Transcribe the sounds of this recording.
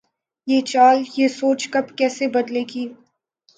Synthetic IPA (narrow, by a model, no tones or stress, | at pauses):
jeːt͡ʃaːljeːsoːt͡ʃkɐbkɛːsebɐd̪leːɡiː